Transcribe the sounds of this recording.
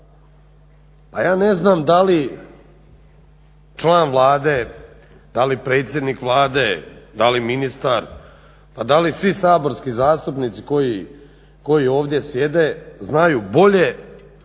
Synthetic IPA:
pajaːneznaːmd̪ali | t͡ʃlˠaːnʋlˠaːd̪e̞ | d̪alipɾe̞ːt̪sʲje̞d̪nikʋlˠaːd̪ed̪aliminist̪aɾ | pad̪alisʋisaːbo̞ɾskizaːst̪upnit̪si̥ko̞ji | ko̞jio̞ːʋd̪ʲje̞sje̞d̪e̞znajuːbo̞ʎe̞

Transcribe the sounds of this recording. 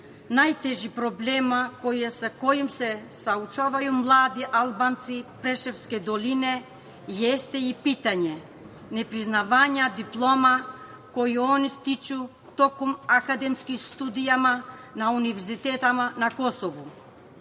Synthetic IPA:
najt̪ɛʒipɾɔblɛmakɔjɛsakɔjimsɛsaut͡ʃavajumlˠad̪iʔalˠbant̪sipɾɛʃɛfskɛd̪ɔlinɛ | jɛst̪ɛipit̪aɲɛ | nɛpɾiznavaɲad̪iplˠɔma | kɔjiɔnist̪it͡ʃu | t̪ɔkɔmakad̪ɛmskist̪ud̪ijamanaunivɛɾzit̪ɛt̪amanakɔsɔvu

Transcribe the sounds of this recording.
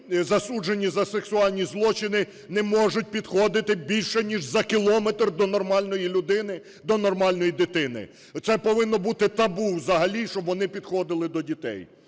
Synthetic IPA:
zɐsud͡ʒenʲizɐseksʊɑlʲnʲizlˠɔt͡ʃɪnɪ | nɛmɔʒʊt̚ʲpʲid̪xɔd̪ɪt̪ɪbʲilʲʃɛnʲiʒzɐkʲilˠɔmet̪rd̪ɔnɔrmɑlʲnɔjilʲʊd̪ɪnɪ | d̪ɔnɔrmɑlʲnɔjid̪ɪt̪ɪnɪ̰ | t̪sɛpɔʋɪnːɔbut̪ɪt̪ɐbuwzɐɦɐlʲiʃt͡ʃɔbʋɔnɪpʲid̪̥xɔd̪ɪlˠɪd̪ɔdʲit̪ɛ̰j

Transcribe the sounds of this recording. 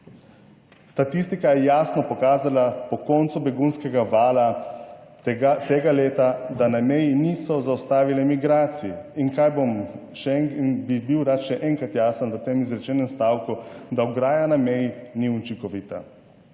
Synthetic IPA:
st̪at̪ist̪ikajɛjaːsnɔpɔkaːzalapɔkɔnt̪subɛɡunskɛɡaʋaːla | t̪eɡaleːt̪ad̪anamɛjiniːsɔzawst̪aːʋilɛmiɡɾaːt̪sijiiŋkaːjbomʃɛbibiwɾat̪ʃɛʔɛŋkɾat̪jaːsənʋət̪eːmizɾɛt͡ʃɛːnɛmst̪aːwkud̪aɔɡɾaːjanamɛjiniut͡ʃiŋkɔʋiːt̪a̰

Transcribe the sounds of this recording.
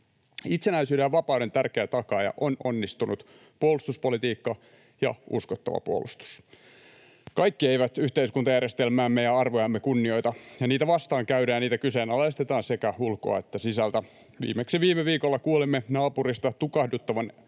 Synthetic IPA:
it̪senæisyːdejɑʋɑpɑˑudent̪ærkeæt̪ɑkɑjɑ̰ʔo̞no̞nːist̪unut̪ | puolust̪uspolit̪iːkːɑ | jɑ̰ʔṵskot̪ːɑ̰ʋɑ̰puo̰lust̪u̥s | kɑikːieiʋæt̪yht̪eiskunt̪ɑjærjest̪elmæːmːejɑɑrʋojɑmːekunːio̞jt̪ɑjɑniːt̪æʋɑst̪ɑːŋkæyɾæːjɑniːt̪ækyseːnɑlest̪et̪ɑːnsekæhulko̞̰ɑ̰et̪ːæsisælt̪æ | ʋḭːmeksiʋiːmeʋiːkolːɑkuolimːenɑːpurist̪ɑt̪ukɑhdut̪ːɑʋɑn

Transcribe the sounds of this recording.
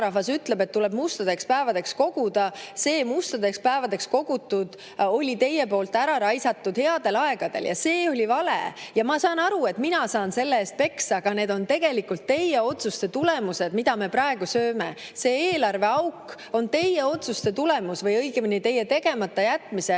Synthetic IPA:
ɾɑfɑsyt̪le̞bt̪ːule̞b̥must̪ɑd̪e̞kspæevɑd̪e̞ksko̞ɡ̥ud̪̥ɑse̞ːmust̪ɑd̪e̞kspæevɑd̪e̞ksko̞ɡ̥ut̪ːˑud̪̥ | o̞lʲit̪e̞je̞po̞ːlt̪ːˑæɾɑɾɑjsɑt̪ːud̪̥he̞ɑd̪e̞lɑe̞ɡ̥ɑd̪̥e̞̰ljɑ̰se̞ːo̞lʲivɑlḛjɑmɑsɑːnɑɾue̞t̪minɑsɑːnse̞lːeeːst̪̚pe̞ksɑɡ̥ɑne̞ːd̪̥o̞nt̪e̞ɡ̥e̞likːult̪ːe̞jeo̞t̪sust̪e̞t̪ule̞muse̞d̪̥mid̪̥ɑme̞pɾɑe̞ɡ̥usøːme̞se̞ːeːlɑrve̞ɑwkː | o̞nt̪e̞jeo̞t̪sust̪e̞t̪ulemusvɤjɤjɡeminit̪e̞jːet̪e̞ɡe̞mɑt̪ːɑjæt̪ːˑmise

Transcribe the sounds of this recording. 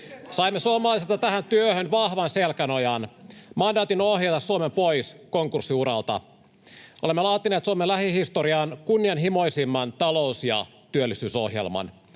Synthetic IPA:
sɑimːesuomɑlɑˑiselt̪ɑt̪æhænt̪yøhønʋɑhʋɑnselkæno̞jɑnmɑndɑːt̪inohjɑt̪ɑsːuomempo̞jsko̞ŋkursːiuɾɑ̰lt̪ɑ̰ | ʔolemːelɑːt̪ineːt̪suomelæhihist̪oɾiɑːnkunːiɑnɦimo̞jsimːɑnt̪ɑlo̞usjɑ̰t̪yølːisyːso̞̰hjḛlmɑ̰n

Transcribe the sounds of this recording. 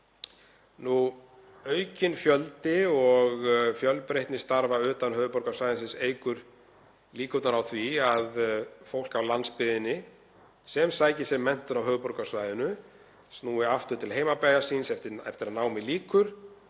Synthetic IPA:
nu | œːɥcɪnfjœlt̪ɪɔɣfjœlpɾeht̪nɪst̪aɾvaʏːt̪anɦœːɣðʏpɔɾkasvajðɪnsɪnseːjkʏɾ̥ | liːkʏt̪naɾawθviaðfowl̥kawlanspɪðɪnːɪ | sɛmsaːjcɪsɛmːɛn̥t̪ʏɾawɦœːɣðʏpɔɾkasvaːjðʏnʏ | snuːɪaft̪ʏɾt̪ʰɪlɦejmapajasinsɛft̪ɪɛ̰ft̪ɪɾaðnaːwmɪliːkʏɾ̥

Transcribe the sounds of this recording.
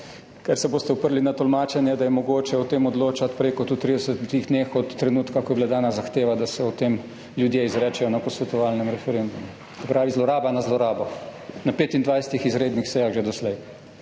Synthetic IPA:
kɛɾsɛboːst̪ɛɔpəɾlinat̪ɔlmaːt͡ʃɛnjɛd̪ajɛmɔɡoːt͡ʃɛɔt̪eːmɔd̪loːt͡ʃat̪pɾeːkɔt̪ut̪ːɾid̪ɛsət̪iɣd̪nexɔt̪ːɾɛnuːt̪kakɔjɛblad̪aːnazaxt̪eːʋad̪asɛɔt̪eːm | ljud̪jeizɾɛːt͡ʃɛjɔnapɔsʋɛt̪ɔʋaːlnɛmɾɛfɛɾend̪umu | sɛpɾaːʋizlɔɾaːbanazlɔɾaːbɔnapeːt̪ind̪ʋajsɛ̥t̪ixizɾeːd̪nixsɛjaɣʒed̪ɔslɛj

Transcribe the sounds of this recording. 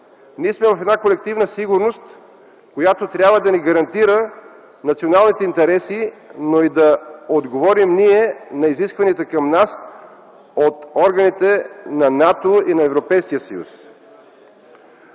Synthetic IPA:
niɛsmɛvɐfɛd̪nakolɛk̚t̪ivnəsiɡuɾnost̪ | kojat̪ot̪ɾʲabvəd̪ɐniɡɐɾɐnt̪iɾə | nɐt̪sionalˠnit̪ɛint̪ɛɾɛsinoid̪ɐod̪ɡovɔɾimniɛnɐiziskvɐniət̪əkɐmnas | ot̪ɔɾɡɐnit̪ɛnɐnat̪oinɐɛvɾopɛjskijəsəjṵs

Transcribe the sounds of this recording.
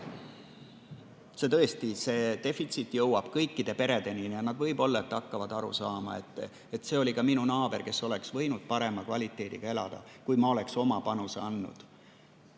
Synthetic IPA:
se̞t̪ɤ̞est̪ise̞ːt̪e̞fit̪sit̪ːˑjɤwɑb̥kɤjkːid̪e̞pe̞ɾe̞d̪̥e̞ninjɑnɑd̪̥vɤ̞jbo̞lːɑet̪ːɑkːɑvɑd̪̥ɑɾṵsɑːmɑ̰e̞̰t̪ːˑ | et̪se̞o̞lʲikɑminunɑːb̥e̞rke̞sːo̞le̞ksvɤ̞jnud̪̥̚pɑɾe̞mɑkvɑlʲit̪ːˑe̞ːd̪̥iɡ̥ɑe̞lɑ̰d̪̥ɑ̰kujmɑo̞lekso̞mɑpɑnuse̞̰ɑnːṵd̪̥

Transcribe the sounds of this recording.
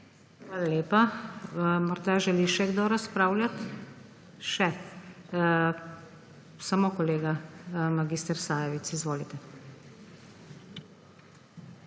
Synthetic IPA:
xʋaːlaleːpa | mɔɾd̪aʒɛliʃɛɡd̪oɾaspɾaːʊlʲjat̪ | ʃɛ | samoːkɔleːɡamaɡiːst̪ɛɾsaːjɛʋit̪sizʋoːlit̪ɛ

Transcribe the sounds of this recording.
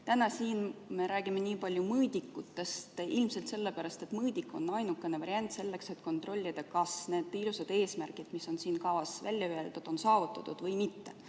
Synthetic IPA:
t̪ænɑsiːnme̞ɾæːɡ̥imeniːpɑlʲjumɤːd̪̥ʲikːut̪ːe̞st̪ilmse̞lt̪se̞lːe̞pæɾɑst̪e̞t̪mɤːd̪ʲikːˑo̞̰nːɑjnukːˑe̞ne̞vɑɾjɑnʲt̪se̞lːe̞kse̞t̪ko̞nt̪ˑro̞lʲːid̪̥ɑkɑsne̞ːd̪̥ilused̪e̞ːsmærkid̪̥miso̞nsiːnkɑvɑsvælʲːjɑyeld̪̥ud̪̥o̞nsɑːvut̪ːˑɑt̪ːˑud̪̥vɤjmit̪ːe̞

